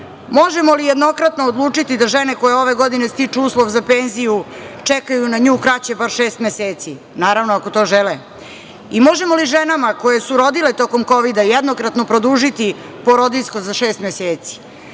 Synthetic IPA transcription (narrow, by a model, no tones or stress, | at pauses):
moʒemo̞lijed̪no̞kɾat̪noːd̪lˠuːt͡ʂit̪id̪aʒeneko̞jeo̞ʋeɡo̞d̪inest̪it͡ʂuuːslˠoʋzapenzijut͡ʂekajunaɲuːkɾat͡ɕebaɾʃeːst̪meseːt̪si | naːɾaʋnoako̞t̪o̞ːʒelɛ | imo̞ʒe̞mo̞liʒenamako̞je̞suɾo̞d̪ilet̪o̞ko̞mko̞ʋid̪ajed̪nokɾat̪no̞pɾod̪uʒit̪i | po̞ɾo̞d̪iʎskozaʃeːst̪meseːt̪si̥